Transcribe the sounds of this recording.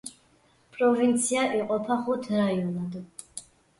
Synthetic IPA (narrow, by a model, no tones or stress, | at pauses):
pʼɾɔvint̪sʰiaʔiqʼɔpʰaχut̪ʰɾajɔlad̪